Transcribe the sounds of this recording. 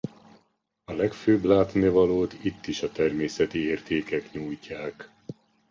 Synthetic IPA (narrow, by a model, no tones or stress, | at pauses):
ɒlɛkføːblaːt̪neːvɒloːt̪it̪ːiʃɒt̪ɛrmeːsɛt̪ieːrt̪eːkɛkɲuːjcaːk